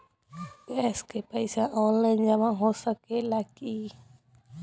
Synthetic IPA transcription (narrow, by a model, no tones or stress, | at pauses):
eskepaisãʔõleɲãmãɦosakelaki